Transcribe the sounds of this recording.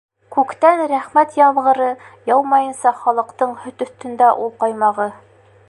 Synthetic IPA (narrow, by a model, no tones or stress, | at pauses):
kʉkt̪ænɾæχmæt̪jɑβʁɤ̆ɾɤjɑwmɑjɤ̆nsɑχɒlˠɤ̆qt̪ɤɴhɵ̆t̪ɵ̆θt̪ɵ̆nd̪æʔulˠqɑjmɑʁɤ